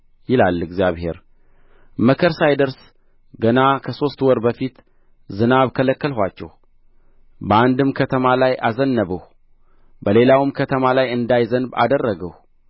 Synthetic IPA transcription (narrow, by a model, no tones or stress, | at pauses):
jɪlalːɨɡzijaβhe̞̰ɾ | məkʰəɾsajd̪əɾs | ɡənakʰəso̞st̪wɔɾbəfit̪ | zɨnaβkʰələkːəlɦʷat͡ʃːɛ̰h | bəand̪ɨmkʰət̪ʰəmalajʔazənːəβəh | bəle̞lawɨmkʰət̪ʰəmalajɨnd̪ajzənba̰d̪ərːəɡəh